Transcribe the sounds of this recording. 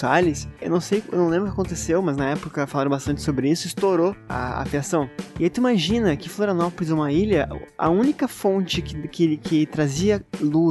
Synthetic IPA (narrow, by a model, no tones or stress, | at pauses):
salɪsewnɐ̃w̃sejḛwnɐ̃w̃lẽbɾʊkɪkakõnt̪esewmɐznɐɛpʊkɐkɐfalaɾɐ̃bast̪ɐ̃nt͡ʃɪsobɾɪisʊist̪oɾoɐ̰ːfiasɐ̃w̃ɪait̪uimaʒĩnɐkɪfloɾanɔpolɪzũmɐiʎɐɐ̰ũnikɐfõnt͡ʃɪkɪkekɪt̪ɾaziɐlu